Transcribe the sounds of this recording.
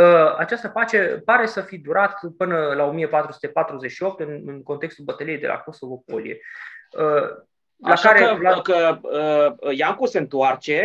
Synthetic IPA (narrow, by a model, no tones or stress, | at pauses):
əat͡ʃast̪əpat͡ʃe̞paɾe̞səfid̪uɾat̪pɨnəlao̞mijepat̪ɾusu̥t̪e̞pat̪ɾuze̞ʃio̞p̚t̪ɨnɨŋkont̪ekst̪ulbət̪əlijejd̪e̞la̰ko̞so̞vo̞p̚olḭe̞̰ə | alaʃaɾeəlakəəjaŋkuse̞ɨnt̪oart͡ʃe̞